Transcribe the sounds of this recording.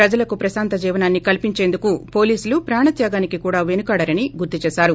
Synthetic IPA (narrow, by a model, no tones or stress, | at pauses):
ɾɐd͡ʒɐlɐkupɾɐsaːnt̪ɐd͡ʒiːʋɐnaːnːikɐlpiɲt͡ʃe̞ːnd̪ukupo̞ːliːsulupɾaːɳɐt̪jaːɡaːnikikuːɽaːʋenukaːɽɐɾɐniɡuɾt̪it͡ʃɛːsaːɾu